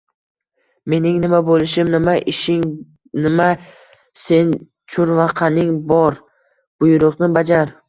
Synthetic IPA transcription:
me̞nɪŋnɪmabolɪʃɪmnɪmaʔɪʃɪŋ | nɪma | se̞n | t͡ʃʰʊɾvɑqʰanɪŋbɒɾ | b̥ʊjɾʊʁnɪbad͡ʒaɾ

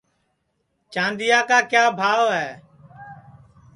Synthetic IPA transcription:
t͡ʃãːnd̪ɪjaːkaːkjaːbʱaːʋɦɛː

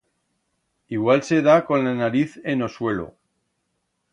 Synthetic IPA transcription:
iɣwalse̞ðako̞nlanaɾiθe̞no̞swe̞lo̰

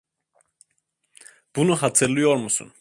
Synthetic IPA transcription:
b̥unuɦat͡sʰɛlujɛɔɾmusṵn

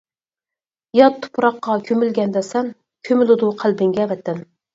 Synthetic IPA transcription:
jɑt̪ʰːʊ̥pʰːʊɾɑqːɑkʲʰømylɡʲɛnd̪ɛsɛm | kʲʰømɪlɪd̪uqʰælbɪŋɡʲɛvɛt̪ːɛn

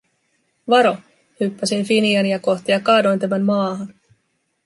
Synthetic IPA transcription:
ʋɑɾo̞ | hypːæsinfiniɑnijɑko̞ht̪ijɑkɑːdo̞jnt̪̬æmæmmɑːɦɑn

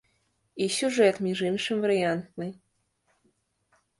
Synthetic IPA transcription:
isʲuʐɛt̪mʲiʐɨnʂɨmvəɾʲiant̪nɨj

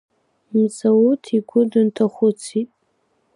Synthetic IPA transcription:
mzawutʰiɡʷʊdɨntʰaχʷʊt͡sʰitʼ

